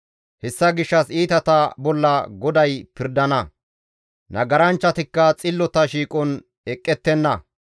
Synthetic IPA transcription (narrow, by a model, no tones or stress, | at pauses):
hɛsːɐɡɪʃːɐsiːt̪ɐt̪ɐbɔlːɐɡɔd̪ɐjpɪɾd̪ɐnɐ | nɐɡɐɾɐnt͡ʃːɐt̪ɪkːɐt͡sʼɪlːɔt̪ɐʃiːkʼɔn | ɛkʼːɛt̪ːɛnːɐ